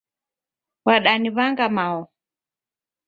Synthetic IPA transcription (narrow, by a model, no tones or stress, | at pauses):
waɗaniβaŋɡamaɔ